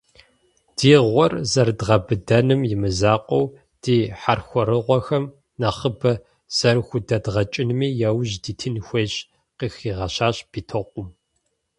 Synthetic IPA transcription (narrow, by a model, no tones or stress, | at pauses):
d̥iːʁʷɔrzɐrdʁɐbɨdɐnɨmjɪmɨzaːqʷʼɔw | d̥iːħarxʷɔɾɨʁʷɔxɐm | nɐχəbɐ | z̥ɐrxʷʊdɐdʁɐt͡ʃʼɪnɨmiːjaːwʑdiːtʰɨnxʷeːɕ | qiːxiːʁɐɕaːɕb̥iːtʰɐqʷʼʊm